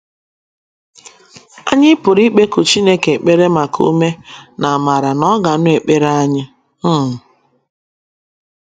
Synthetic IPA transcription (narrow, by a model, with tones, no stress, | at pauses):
a̰˦ɲɪ˦pʊ˨ɾi˦k͡pe˦kʊ˨t͡ʃi˦ne˦ke˨k͡pe˦ɾe˦ma˨kṵ˦me˦na˨a˨ma˨ɾa˨nɔ˦ɡa˨nʊ˦e˨k͡pe˦ɾa˦ɲɪ˦ | m̩˦˨